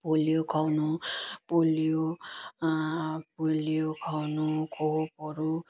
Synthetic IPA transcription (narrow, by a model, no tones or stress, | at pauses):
polijokʰawnupolijo | polijokʰawnukʰopʌɾu